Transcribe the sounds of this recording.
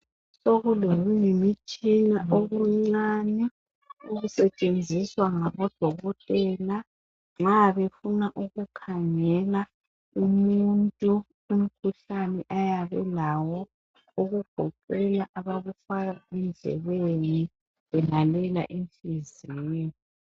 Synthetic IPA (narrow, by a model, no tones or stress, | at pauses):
soɣuloɣuŋemit͡ʃʼinaʔoɣuŋ͡ǀanɛ | uɣusɛt͡ʃʼend͡zʱiswaŋaβɔd̥ʱɔɣɔtʼɛːla | ŋ͡ǁaβefunaʔuɣukʰaŋɛla | umuntʼu | um̩kʰuɬanɛʔajaβɛlawɔ | uɣuɡ̥ʱɔǃɛlaʔaβaβufaɣaɛnd͡ɮʱɛ̰βeni | wɛlalɛla̰ʔiɱfizini